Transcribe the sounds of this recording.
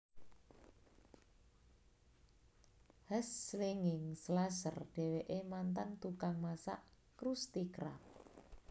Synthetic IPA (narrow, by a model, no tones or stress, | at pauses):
həsleŋɪŋslasə̰rɖ̥ɛ̤weʔemant̪ant̪ukaŋmasa̰ʔ | kɾust̪ikɾa̰p̚